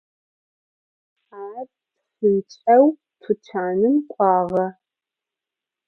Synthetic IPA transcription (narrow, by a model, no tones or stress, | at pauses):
aːt | fɨnt͡ʃʼɐw | tʰʊt͡ʃʰaːnɨmqʷʼɑːʁɐ